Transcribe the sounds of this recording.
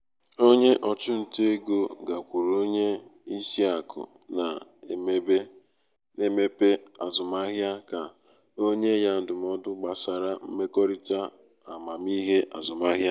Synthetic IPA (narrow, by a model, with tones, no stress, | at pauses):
o˦ɲe˦ʔɔ˨t͡ʃʊ˦n̩˨te˦ɡo˦ɡa˨kʷu˨ɾo˦ɲe˦i˦si˦a˨kʊ̰˨ | na˨e˨me˦be˦ | ne˦me˦pe˦a˨zʊ˨ma˦ɦja˦ka˨ | o˦ɲe˦ja˦n̩˦dʊ˨m̩˦ɔ˦dʊ˦ɡ͡ba˨sa˨ɾa˦m̩˦me˦kɔ˦ɾi˦ta˦ | a˨ma˨mi˦ɦe˦ʔa̰˨zʊ˨ma˦ɦja˦